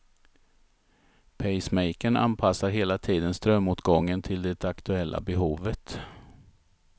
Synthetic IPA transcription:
pʰɛjsmɛjkəɳa̰npʰasaɾɦeːlat̪ʰiːd̪ənst̪ɾœmːuːt̪ɡɔŋːənt̪ʰɪld̪ɛt̪akt̪ɵɛlːʔa̰bɛɦuːvət̪

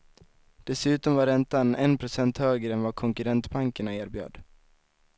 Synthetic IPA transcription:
d̪̥ɛsʉ̟ːt̪ɔmvaɾɛnt̪anɛnpʰɾʊsɛnt̪høːɡɾəɛnvakʰɔŋkɵɾɛnt̪baŋkəɳaeːɾbjø̰ːd̪

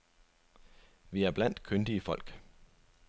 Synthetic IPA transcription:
ʋiæɐb̥læn̰d̥kʰønd̥iəfɒ̽l̰ɡ̥

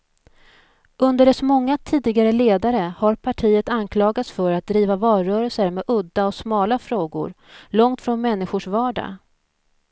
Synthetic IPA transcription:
ʔɵnd̪əɖɛsɔmɔŋːat̪ʰiːd̪ɪɡaɾəleːd̪aɾəhaɾpʰaʈʰiːət̪ankʰlɑːɡat̪sfœɾat̪̚d̪ɾiːvavɑːɾœːɾəlsəɾmɛʔɵd̪ːaɔsmɑːlafɾoːɡʊ̰ɾ | lɔŋt̪fɾɔnmɛnːɪɧʊʂvɑːɖa̰

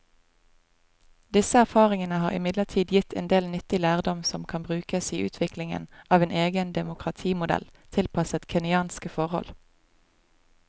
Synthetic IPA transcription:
d̪ɪsəæʁfɑːʁɪŋənəhɑːʁɪmɪd̪ləʁt̪ʰiːd̪jɪt̪ʰɛ̰ːnd̪eːlnʏt̪ɪlæːʁd̪ɔmsɔmkʰɑnbʁʉːkəsiːʔʉ̰ːt̪ʰʋɪklɪŋə̰nʔɑːʋeːnʔeːɡənd̪ɛmʊkʁɑt̪ʰiːmʊd̪ɛ̰lt̪ʰɪlpʰɑsət̪kʰɛnɪɑːnskəfɔʁhɔ̰l

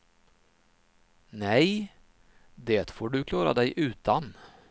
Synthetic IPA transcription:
nɛj | d̪eːt̪foːɖɵkʰlɑːɾa̰d̪ɛjʔʉ̟ːt̪ʰan

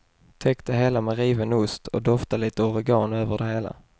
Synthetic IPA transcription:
t̪ʰɛkt̪ʰəɦeːlamɛɾiːvənʊst̪ʰɔd̪ɔft̪aliːt̪əɔɾɪɡɑːnøːvəɖɛɦeːla̰

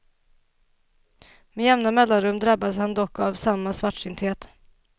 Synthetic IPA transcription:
mɛjɛmnamɛlːanɾɵmːd̪ɾabːad̪shand̪ɔkːavsamːasvaʈʂɪnt̪heːt̪

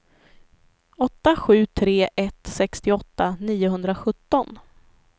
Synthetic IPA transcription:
ɔt̪ːaɧʉ̟ːt̪ʰɾeːʔɛt̪sɛkst̪ɪɔt̪ːaniːʊɦɵnd̪ɾaɧɵt̪ːɔn

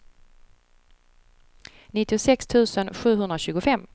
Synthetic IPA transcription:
nɪt̪ːɪʊsɛkst̪ʰʉ̟ːsənɧʉ̟ːɦɵnd̪ɾaɕʉ̟ːɡʊfɛmː

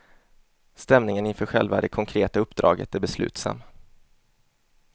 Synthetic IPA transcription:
st̪ɛmnɪŋənɪnfœːɾɧɛlva̰d̪ɛkʰɔŋkʰɾeːt̪aɵpːd̪ɾʔɑ̰ːɡə̰t̪æɾbɛslʉ̟̰ːt̪sa̰mː

